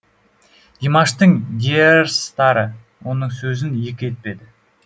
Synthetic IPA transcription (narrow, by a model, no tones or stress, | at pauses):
d̪̥imɑʃt̪əɴd̪ʲierst̪ɑɾə | wo̞nəɴsɵzɪnje̞kʲe̞t̪̚pe̞d̪ɪ